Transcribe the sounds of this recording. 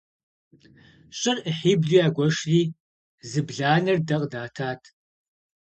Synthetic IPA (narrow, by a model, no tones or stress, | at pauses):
ɕʼɪrəħiːbɮiːjaːɡʷɔʂriː | zɨbɮaːnɐrdɐqʼdaːtʰaːtʰ